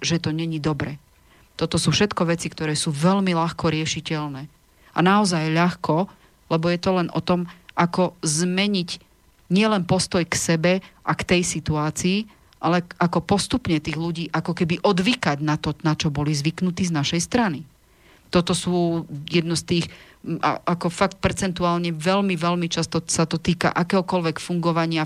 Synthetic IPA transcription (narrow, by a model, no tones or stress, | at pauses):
ʒɛt̪ɔɲɛɲid̪ɔbɾɛː | t̪ɔt̪ɔsuːfʃɛt̪kɔʋɛt͡sikt̪ɔɾɛːsuːʋɛlmiʎaxkɔɾɪɛʃicɛlnɛː | anaɔzajʎaxkɔ | lɛbɔjɛt̪ɔlɛnʔɔ̰t̪ɔmʔakɔzmɛɲic | ɲɪɛlɛnpɔst̪ɔjksɛbɛʔakt̪ɛjsit̪uaːt͡siː | ʔalɛʔakɔpɔst̪upɲɛt̪iːɣluɟiːʔakɔkɛbiʔɔd̪ʋikaɟnat̪ɔnat͡ʃɔbɔlizʋiknut̪iːznaʃɛjst̪ɾani | t̪ɔt̪ɔsuːjɛd̪nɔst̪iːx | ʔa̰ʔakɔfakt̪̚pɛɾt͡sɛnt̪uaːlɲɛʋɛlmiʋɛlmit͡ʃast̪ɔsat̪ɔt̪iːka̰ʔakɛːɦɔkɔlʋɛkfuŋɡɔʋaɲɪa